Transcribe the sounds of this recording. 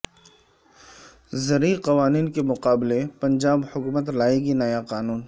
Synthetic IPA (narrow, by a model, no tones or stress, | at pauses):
zɐɾiqɐʋaːniːnkemʊqaːblepɐ̃ɲd͡ʒaːbhʊkuːmət̪laːeɡinɐjaqaːnuːn